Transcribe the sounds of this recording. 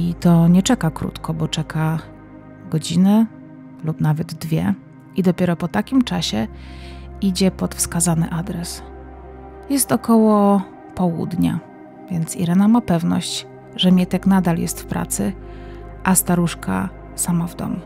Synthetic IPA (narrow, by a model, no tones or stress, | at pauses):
it̪ɔɲɛt͡ʂɛkakɾṵt̪kɔbɔt͡ʂɛkʰa | ɡɔd͡ʑinɘ | lupnavɛd̪ːvʲjɛ | id̪ɔpʲjɛɾɔpɔt̪akʲimt͡ʂaɕɛ | id͡ʑɛpɔt̪fskazanɘ̰ʔad̪ɾɛs | jɛst̪ɔkɔwɔ | pɔwṵd̪ɲa̰ | vʲjɛnt̪sḭɾɛnamapɛvnɔ̰ɕt͡ɕ | ʐɛmʲjɛt̪ɛknad̪aljɛ̰st̪fpɾa̰t̪sɘ | ʔast̪aɾuʂkʰa̰ | samavd̪ɔ̰m